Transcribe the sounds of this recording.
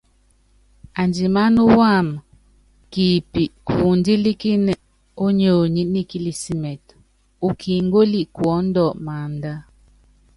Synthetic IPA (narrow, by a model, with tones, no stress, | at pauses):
a˨nd͡ʒi˨ma˦nu˦wa˦˨m | ki˨pi˨ʔkʰu˨n˦di˦li˦ki˦nɛ˨ | o˦ɲo˨ɲi˦ni˦ki˦li˨si˦mɛ˨t̚ | u˨kʰi˨ŋ˦ɡo˦li˦kwɔ˨˦n̩˦dɔ˦˨ʔma˨n˦da˦